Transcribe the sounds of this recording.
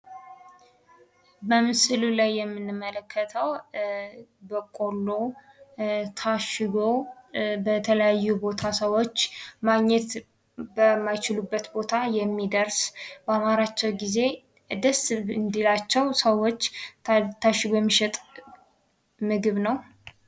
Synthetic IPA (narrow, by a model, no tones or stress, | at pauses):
bəmɨsɨlulajːɛmːɨnːɨmːələkʰːət̪ʰəw | bəkʼo̞lːo | t̪ʰaʃɪɡo̞bət̪ʰələjajːubo̞t̪ʰasəwo̞t͡ʃːmaɡɲːɛt̪ | bəmːajt͡ʃɪlubːət̪bo̞t̪ʰajɛmːid̪əɾsbəamaɾat͡ʃːɛwɡize̞ | ɨd̪əsɨnd̪ilat͡ʃːɛwsəwo̞t͡ʃːt̪ʰaʃɪɡojɛmːiʃɛt̪ʼ | mɨɡɨβnəw